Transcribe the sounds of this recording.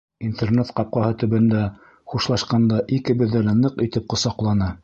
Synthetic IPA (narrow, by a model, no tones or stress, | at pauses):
int̪ernet̪qɑp̚qɑhɤt̪ɵ̆βɘ̆nd̪æ | χuʃlˠɑʃqɑnd̪ɑʔikɘbɵ̆ðːælænɤqit̪ɘp̚qŏsɑqlˠɑnɤ